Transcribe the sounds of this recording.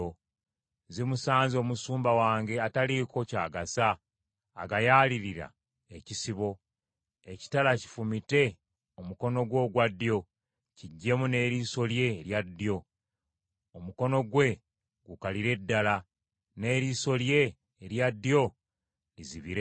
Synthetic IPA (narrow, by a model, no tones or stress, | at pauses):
o | zimusaːnzio̞ːmusuːmbawaːŋɡe̞ataliko̞ca̰ːɡasaː | ɡajaːliɾiɾa̰ | ecisiβo̞ | e̞ci̥talaci̥fumite̞ | omuko̞no̞ɡwo̞ːɡwadːjo̞ | ciɟːe̞mune̞ɾiso̞lje̞ɾjadːjo̞ | omuko̞no̞ɡwe̞ | ɡukaliɾe̞dːala | ne̞ːɾiso̞lje̞ː | ɾjadːjo̞ | liziβiɾe